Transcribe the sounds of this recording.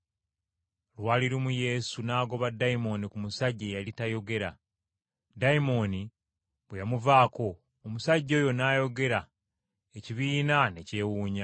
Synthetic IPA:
lwaːliɾumuje̞sunaːɡo̞βadːaimo̞nikumusaɟːejalitajo̞ɡe̞ɾa̰ | dajimo̞ni | βwejamuvaːko̞ː | musaɟːo̞ːjo̞naːjo̞ɡe̞ɾa | eciβiːnane̞ce̞ːwuːɲa

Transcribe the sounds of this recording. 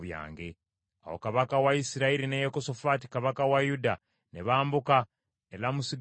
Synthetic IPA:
βja̰ːŋɡe̞ | a̰wo̰kaβakawaisiɾaiɾinejekoso̞fati̥kaβakawajuda | ne̞βaːmbuka | elamusiɡ

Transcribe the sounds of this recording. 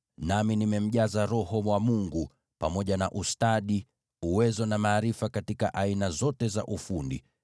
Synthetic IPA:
naminimɛm̩ʄazaɾɔhɔmwamuŋɡu | pamɔʄanaʔustaɗi | uwɛzɔnamaːɾifakatikaʔainazɔtɛza̰ʔufundḭ

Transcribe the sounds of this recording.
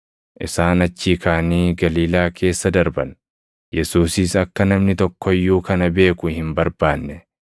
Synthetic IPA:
ʔɪsaːnɐt͡ʃːiːkʰaːniːɡɐliːlaːkʰe̞ːsːɐd̪ɐɾbɐn | jɛsuːsɪsɐkːɐnɐmnɪt̪ɔkːɔjːuːkɐnɐbe̞ːkʊhɪmbɐɾbaːnːɛ

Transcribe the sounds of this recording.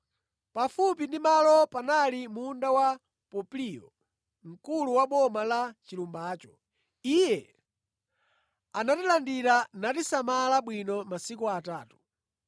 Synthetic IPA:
pafup̬indimalɔpanalimundawa | pɔplijɔ̰ | ŋ̩kuluwaɓɔmalat͡ʃilumbaːt͡ʃɔ̥ | ijɛ | anatilandiɾanatisamalaɓwinɔmasikuataːtu̥

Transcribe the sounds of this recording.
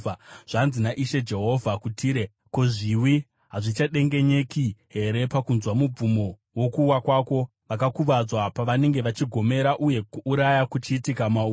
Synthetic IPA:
aʐ̥anzinaʔiʃe̞d͡ʒe̞ɦo̞vʱakutiːɾe̞ | ko̞ʐiwi | ɦaʐit͡ʃaɗe̞ŋɡe̞ɲe̞kiɦe̞ɾe̞pakunzwamub͡vumo̞ | wo̞kuwakwaːko̞ | ʋakakuʋad͡zwapaʋane̞ŋɡe̞ʋat͡ʃiɡʱo̞me̞ɾaʔuje̞kuːɾajakut͡ʃiːtikamau

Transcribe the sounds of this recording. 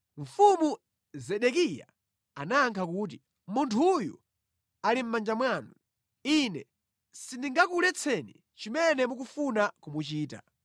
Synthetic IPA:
ɱ̩fumu | zɛɗɛkija̰ | anaːŋkʰakuːt̬i | muntʰujṵ | alim̩mand͡ʒamwaːnu | inɛ | sindiŋɡakulɛt͡sʰɛnḭ | t͡ʃimɛnɛmukufunakumut͡ʃiːta̰

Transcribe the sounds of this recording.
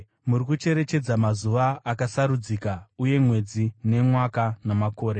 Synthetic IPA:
muɾikut͡ʃe̞ɾe̞t͡ʃe̞d͡zamazuʋaːkasaɾud͡ziːkauje̞mwe̞d͡zine̞mwakanamako̞ːɾe

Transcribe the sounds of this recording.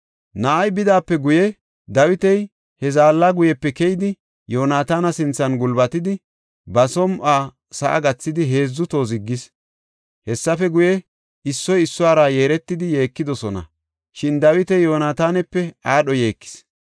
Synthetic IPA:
nɐʔɐjbɪd̪aːpːɛɡʊjɛ | d̪ɐwɪt̪ɛj | hɛzaːlːaɡʊjɛpːɛkɛjɪd̪ɪ | jo̞ːnaːt̪aːnɐsɪnt͡sːɐnɡʊlbɐt̪ɪd̪ɪ | bɐsɔmʔaː | sɐʔɐ̰ɡɐt͡sːɪd̪ɪɦe̞ːzːʊt̪o̞ːzɪɡːɪs | hɛsːɐfɛɡʊjɛ | ɪsːɔjɪsːʊaːɾaje̞ːɾɛt̪ːɪd̪ɪje̞ːkːɪd̪ɔsɔnɐ̰ | ʃɪnd̪ɐwɪt̪ɛjjo̞ːnaːt̪aːnɛpːɛaːɗɔje̞ːkːɪ̥s

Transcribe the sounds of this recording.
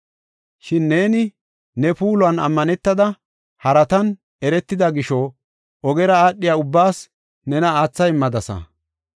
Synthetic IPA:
ʃɪnːe̞ːnɪ | nɛpuːlʊɐnɐ̰mːɐnɛt̪ːɐd̪ɐ | hɐɾɐt̪ɐn | ɛɾɛt̪ːɪd̪ɐɡɪʃɔ | ɔɡɛɾɐaːɗːɪjaːʊbːaːs | nɛnɐaːt͡sːɐjmɐd̪ɐsɐ̰

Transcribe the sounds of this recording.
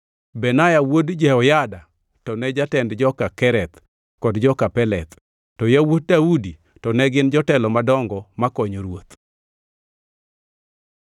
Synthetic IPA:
bɛnajawodd͡ʒɛɔjada | tɔnɛd͡ʒatɛndd͡ʒɔkakɛɾɛt̪ | kɔdd͡ʒɔkapɛlɛt̪ː | ɔjawot̚daudi | tɔnɛɡɪnd͡ʒɔtɛlɔmadɔŋɡɔmakɔɲoɾwot̪

